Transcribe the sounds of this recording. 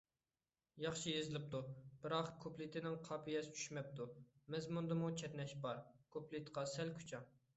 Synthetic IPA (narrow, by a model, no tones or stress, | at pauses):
jɑχʃijezɪlɪp̚t̪ʰub̥ɪɾɑqkʰoplɪt̪ʰɪnɪŋqʰɑːpʰijɛsɪ̥t͡ʃʰy̥ʃmɛp̚t̪ʰumɛzmund̪ɨmut͡ʃʰɛt̪nɛʃbɑɾkʰoplit̪qʰɑsɛlkʰʲy̥t͡ʃʰɛŋ